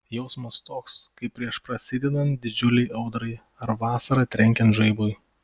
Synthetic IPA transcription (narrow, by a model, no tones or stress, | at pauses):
jɛʊsmɐst̪oːkskɐɪppːʲɾʲiɛʃpɾɐsʲɪd̪ʲɛd̪ɐnd̪ʲɪd͡ʒʲʊlʲɛɪʔɐʊd̪ɾɐɪ | ɐɾʋɑːsɐɾɐt̪ʲɾʲɛŋʲkʲɛnt̪ʒɐɪbʊj